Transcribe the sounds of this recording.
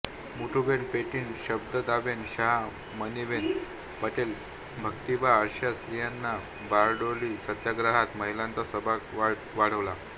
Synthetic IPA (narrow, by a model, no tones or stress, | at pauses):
muʈʰubenpeʈiːnɕəbd̪əd̪aʋenɕaɦ | məniʋen | pəʈel | bʱəkt̪ibaəɾɕjasɾijanːa | baɾɖolisəd̪jaɡɾaɦat̪məɦilãnt͡sasəbʱaʋ | ʋaɽ̤əʋla